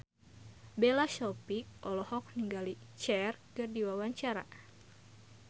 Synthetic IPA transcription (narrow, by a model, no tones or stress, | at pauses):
belaʃɔpik̚ɔlɔhɔk̚niŋɡalit͡ʃɛrkɨrdiwawaɲt͡ʃaɾa̰